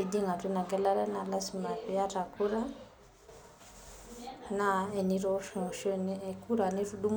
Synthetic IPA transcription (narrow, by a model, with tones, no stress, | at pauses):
i˨di˦ŋa˨tu˦na˨ɡɛ˦la˦ɾɛ˦na˨la˦si˨ma˨pi˦ja˦ta˨ku˦ɾa˦ | na˦ɛ˨ni˦ɾɔ˦ʃɔ˨ʃɔ˦ni˦ɛ˨kʰu˦ɾa˨ni˦ɾu˦ɗu˦m